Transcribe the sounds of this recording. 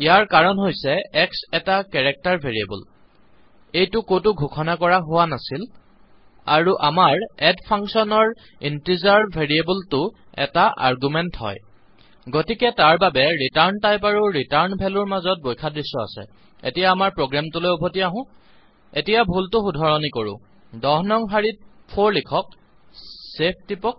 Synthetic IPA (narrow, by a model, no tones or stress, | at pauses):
ijaɹkaɹɔnɦojsɛɛksɛtakɛɹɛk̚taɹbʱeɹiḛbɔ̰l | ejtʊkotʊɡʱukʰɔnakɔɹaɦʊwanasil | a̰ɹuʔamaɹɛdpʰaŋksɔnɔɹ | intizaɹbʱeɹiebultʊ | ɛ̰taʔa̰ɹɡumɛntɦɔ̰j | ɡotikɛtaɹbabɛɹitaɹntajpaɹuɹitaɹnbʱɛlʊɹmazɔt̚bojkʰadɹisːɔa̰sɛ̰ | ḛtijaːmaɹpɹoɡɹamtulojobʱotiaɦʊ̃ | etijabʱultʊxudʱɔɹɔnikoɹʊ̰̃ | dɔɦnɔŋɦaɹit̚pʰoɹlikʰɔk̚ | sep̚ʰtipɔk̚